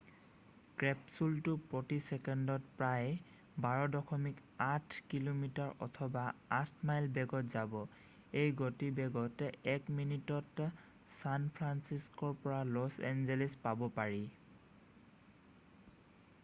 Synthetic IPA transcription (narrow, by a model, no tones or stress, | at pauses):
kɹɛpsultʊpɹɔtisɛkɛndɔtpɹaj | baɹɔdɔkʰɔmikatʰkilomitaɹɔ̰tʰɔbaatʰmajlbɛɡɔtzabɔ | ejɡotibɛɡɔtɛkminitɔt | sanpʰɹansiskɔɹpɔɹalɔsɛ̰nzɛlispabɔpaɹi